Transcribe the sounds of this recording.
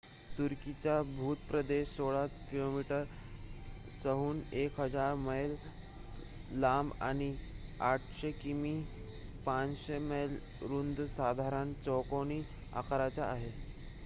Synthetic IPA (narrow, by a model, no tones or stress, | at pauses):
t̪uɾkit͡ɕabʱuːt̪pɾəd̪eɕsoɭat͡skilomiʈəɾ | səɦuːnekɦəd͡zaɾməjl | ama̰ɽ̃iaʈʰɕekimi | pãt͡sɕeməjl | ɾund̪sad̪ʱaɾənt͡sɔkoñiː | a̰kaɾat͡ɕaːɦe